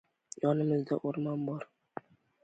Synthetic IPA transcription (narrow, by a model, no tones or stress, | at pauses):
jɒnɪmɪzd̪aʔoɾmɒnbɒɾ